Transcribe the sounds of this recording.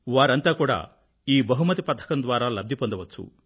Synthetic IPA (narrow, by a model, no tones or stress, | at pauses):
ʋaːɾɐnt̪aːkuːɽa̰ː | iːbɐɦumɐt̪ipɐt̪ʰːɐ̥kɐnd̪ʋaːɾaːlɐb̚d̪ʱipond̪ɐʋɐt͡ʃːt͡sːṵ